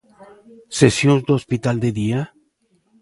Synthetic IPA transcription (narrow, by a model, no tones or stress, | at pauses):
sesjonzd̪eospit̪ald̪eðia